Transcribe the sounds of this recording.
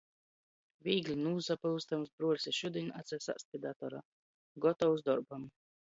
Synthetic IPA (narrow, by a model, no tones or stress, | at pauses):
vʲiːɡlʲinuːzapaust̪amsbɾuɔɾʲsʲiʃud̪ʲinʲʔat̪sʲɛsa̰st̪̚ʲid̪at̪ɔɾa̰ | ɡɔt̪ɔwzd̪ɔɾbam